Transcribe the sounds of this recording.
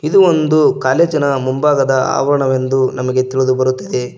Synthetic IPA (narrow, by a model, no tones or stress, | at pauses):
id̪uond̪ukaːleːd͡ʒɐnɐmumbaːɡɐd̪ɐa̰ːʋɐɾɐɳɐʋe̞nd̪unɐmɐɡe̞t̪iɭud̪ubɐɾut̪ːɐd̪e̞